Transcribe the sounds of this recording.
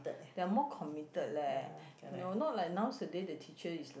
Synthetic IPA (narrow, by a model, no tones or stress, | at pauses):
təd̥ɛamɔkʰɔmitətlɛnonɔt̚lajk̚nãwsədedətʰit͡ʃəisl